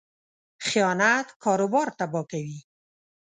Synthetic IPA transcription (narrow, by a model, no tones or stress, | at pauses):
xijɑnat̪kɑɾobɑɾt̪abɑkawi